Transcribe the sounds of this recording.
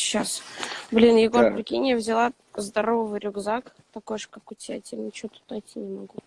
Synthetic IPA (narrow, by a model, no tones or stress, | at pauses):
ɕːasblʲinjɪɡo̞ɾpɾʲɪkʲinʲɪjəvzʲɪlˠa | zd̪ɐɾovəvɨɾʲʊɡzak | t̪ɐkojʂkakʊtʲɪjʲatʲemnʲɪt͡ɕɪvot̪u̥t̪nɐjtʲːinʲɪmɐɡu